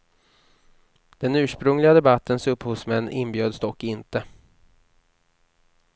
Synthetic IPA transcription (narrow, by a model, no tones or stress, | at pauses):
d̪̥ɛnʉ̟ːʂpɾɵŋlɪɡad̪ɛbat̪ʰːənsɵpːhuːsmɛnːɪnːbjøːd̪st̪ɔkːɪnt̪ə